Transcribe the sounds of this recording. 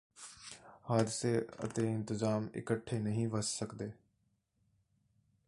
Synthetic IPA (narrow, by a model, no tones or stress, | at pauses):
haːd̪ɪseːə̰t̪eːɪ̃nt̪ɪzaːmɪ̰kəʈʰːenɐɦĩːʋəsːəkd̪eː